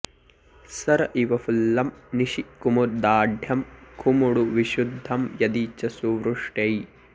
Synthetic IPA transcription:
sɐɾɐʔiʋɐfulːɐmniʃikumuɾd̪aːɖʱjɐmkʰumuɽuʋiʃud̪ʱːɐmjɐd̪iːt͡ʃɐsuʋɾuʂʈej

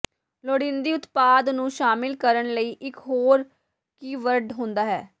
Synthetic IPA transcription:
loːɽɪ̃nd̪iːʊt̪paːd̪nũːʃaːmɪlkəɾəɳləiːʔɪkɦoːɾ | kiːʋəɾɖɦʊ̃nd̪aːɦɛː

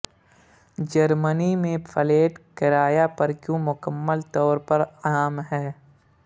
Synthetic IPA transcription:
d͡ʒəɾmənimẽpʰəleːʈkɪɾaːjapɐɾkjõːmʊkəmːəlt̪ɔːɾpɐɾaːmɦɛː

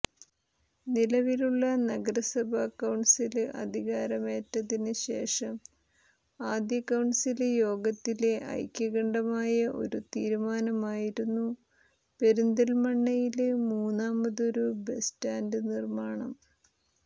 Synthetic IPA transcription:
nilɐʋiluɭːɐnɐɡɐɾɐsɐbʱɐːkːɐwɳɖsilɨʔɐ̰d̪ʱiɣaːɾɐme̞ːtːɐðinɨɕe̞̰ːʂɐm | aːd̪jɐkːɐwɳɖsiljo̞ːɡɐt̪ːile̞ʔɐ̰jkʲːɐɣɐɳɖɐmaːjɐʔo̞̰ɾut̪iːɾumaːnɐmaːjiɾunːu | pe̞ɾund̪ɐlmɐɳːɐjilɨmuːnːaːmbɐðo̞ɾube̞staːndɨnirmaːɳɐm

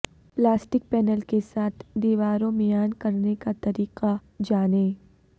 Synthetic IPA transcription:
plaːsʈɪk̚pɛːnəlkesaːt̪ʰd̪iːʋaːɾõmɪjaːnkɐɾnekat̪ɐɾiːqad͡ʒaːnẽː

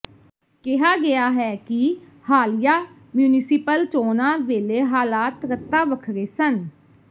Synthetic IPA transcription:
kɪɦaːɡɪjaːɦɛːkɪ | haːlɪjaː | mjuːnɪsipəlt͡ʃoːnãːʋeːleːɦaːlaːt̪ɾət̪ːaːʋəkʰɾeːsən

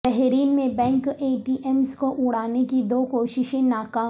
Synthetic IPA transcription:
ɛɦɾiːnmẽbɛ̃ːŋkeːʈiːʔɛmskoʔʊɽaːnekid̪oːkoːʃɪʃẽnaːkaː

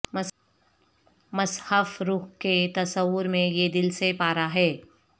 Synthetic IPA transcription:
m | mɐshəfɾuːɦket̪ɐsəwʊɾmẽjed̪ɪlsepaːɾaɦɛː

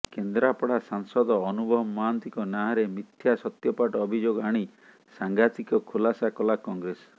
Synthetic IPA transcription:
kend̪ɾapɔɽasaŋsɔd̪ɔːnubʱɔɦmːaːnt̪ikɔnaɦaɾemit̪ʰjasɔt̪jɔpaʈɔːbʱid͡ʒoɡaɽ̃i | saŋɡat̪ikɔkʰulasakɔlakɔŋɡɾes

